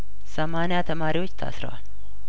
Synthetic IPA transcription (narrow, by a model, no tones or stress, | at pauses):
səmanɪjat̪ʰəmaɾiwot͡ʃːt̪ʰa̰sɾə̰wa̰l